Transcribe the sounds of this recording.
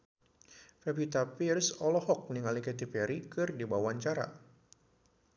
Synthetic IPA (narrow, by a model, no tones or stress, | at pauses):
fɛbit̪apirsɔlɔhɔk̚niŋalikɛt̪ipɛɾikɨrdibawaɲt͡ʃaɾa̰